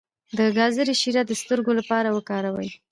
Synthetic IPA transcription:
d̪əɡɑzəɾeʃiɾad̪əst̪əɾɡolapɑɾawəkɑɾawə̰j

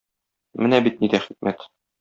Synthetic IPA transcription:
mɘnæbit̪̚nid̪æχik̚mʔæt̪

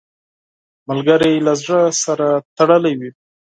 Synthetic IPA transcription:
malɡaɾajlazɽəsaɾat̪aɽəlawi

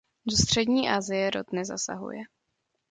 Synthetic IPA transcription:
dost̪r̝̥ɛdɲiːʔaːzɪjɛɾo̰t̪nɛzasa̰ɦṵjɛ

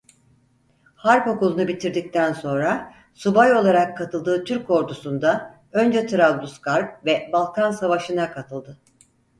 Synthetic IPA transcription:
haɾpo̞kulˠunubit̪ʰiɾd̪ic̚t̪ʰænso̞nɾa | subajo̞lˠaɾakʰːat̪ʰɯlˠd̪ɯːt̪ʰyɾko̞ɾd̪usund̪a | ø̞nd͡ʒɛt̪ʰɯɾavd̪uskʰaɾp̚vɛbalˠkʰansavaʃɯnakʰat̪ʰɯlˠd̪ɯ

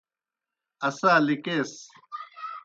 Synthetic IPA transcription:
ɐsaːlikeːs

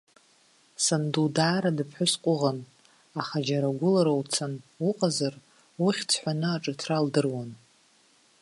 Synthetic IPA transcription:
sandudaːɾadɨpʰħʷʊsqʷʼʊʁan | aχad͡ʒaɾaɡʷʊlaɾawt͡sʰanuqʼazar | uχʲt͡sʰħʷanɨaʈ͡ʂʼɨtʰraldɨrwan

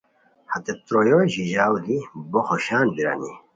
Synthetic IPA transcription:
hɐt̪et̪ɾojoʑiʒaːwd̪iboxoʃaːnbiɾa̰ni

